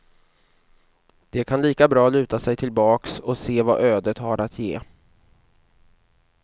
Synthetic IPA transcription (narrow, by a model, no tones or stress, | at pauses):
d̪̥ɛkʰanliːkabɾɑːlʉ̟ːt̪asɛjt̪ʰɪlbɑːksɔseːva̰ʔøːd̪ət̪haɾʔat̪ʰjḛː